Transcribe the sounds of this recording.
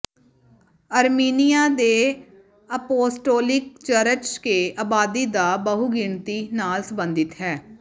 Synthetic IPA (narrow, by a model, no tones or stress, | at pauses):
əɾmiːnijaːd̪eː | əpoːsʈoːlɪk̚t͡ʃəɾət͡ʃkeːaːbaːd̪id̪aːbəɦuɡɪɳt̪inaːlsəmbənd̪ɪt̪ɦɛː